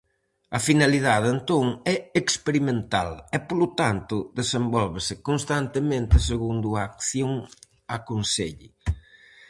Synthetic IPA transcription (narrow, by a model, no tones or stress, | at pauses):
ɐfinaliðaðent̪oŋɛekspeɾimẽnt̪a̰lɛpolot̪ant̪ʊðesembɔlβesɪkonst̪ant̪emẽnt̪ɪseɣund̪ʊaːkθjoŋ | akonseʎɪ